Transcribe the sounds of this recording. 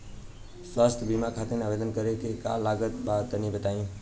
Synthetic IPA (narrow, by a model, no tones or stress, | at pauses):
swast̪ʰbimakʰat̪eneabed̪ənkəɾekeka̰laɡət̪bat̪ənibət̪aĩ